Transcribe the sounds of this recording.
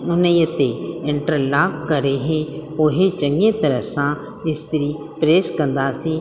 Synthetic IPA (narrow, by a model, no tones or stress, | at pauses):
ʊnəjət̪eɪɳʈəɾlaːkkəɾeɦeoːɦet͡ʃəŋɡẽt̪ɐɾəfsã | ɪst̪ɪɾi | pɾeːskə̃nd̪aːsĩː